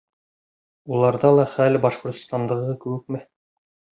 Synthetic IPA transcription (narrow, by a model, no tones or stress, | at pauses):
ulˠɑɾðɑlˠɑχælbɑʃqŏɾt̪ŏ̥st̪ɑnd̪ɤ̆ʁɤkɘ̆wɘk̚mɘ